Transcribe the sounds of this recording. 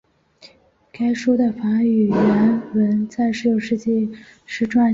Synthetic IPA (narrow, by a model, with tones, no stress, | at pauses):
ka˥ɪʂwɔ˥d̪ə˨fa˧˥y˨˩ɥɛ˧˥nwə˧˥nt͡sa˥˩ɪʂɻ̩˥jo˨˩ʊʂɻ̩˥˧t͡ɕɛ˥˧ʂɻ̩˥˩˧ʈ͡ʂwa˥˩